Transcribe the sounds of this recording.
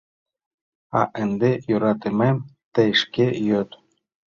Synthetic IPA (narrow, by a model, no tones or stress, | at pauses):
ɑ̰ʔɘ̆nd̪ejoɾɑt̪emem | t̪ĕʃkejøt̪